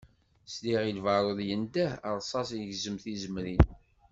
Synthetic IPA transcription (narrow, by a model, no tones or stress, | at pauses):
sliʁilvəɾˤoðjənd̪æə̰ɾˤsˤɑsəʝzəmθizəmɾin